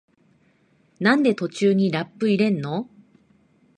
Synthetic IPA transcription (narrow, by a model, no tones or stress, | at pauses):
nãnd̪e̞t̪o̞t͡ɕɨːɲ̟iɾapːɯ̟iɾẽ̞nːo̞